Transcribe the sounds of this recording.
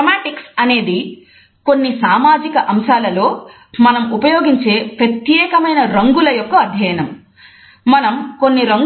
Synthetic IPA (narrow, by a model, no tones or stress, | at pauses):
ɐmaːʈiksɐne̞ːd̪i | ko̞nːisaːmaːd͡ʒikɐʔɐmʃaːlɐlo̞ː | mɐnɐmupɐjo̞ːɡiɲt͡ʃe̞ːʋjɐt̪jɛːkɐmɐjnɐɾɐŋɡulɐjɔkːɐːd̪ʱjɐjɐnɐmː | ɐnɐmkonːiɾɐŋɡ